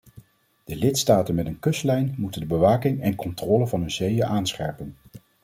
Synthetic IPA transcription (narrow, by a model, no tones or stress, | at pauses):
d̥əlɪtstaːtənmɛtənkɵslɛjnmutəndəbəʋaːkɪŋɛnkɔntrɔːləvɑnɦɵnzejəʔaːnsχɛ̰ɹpən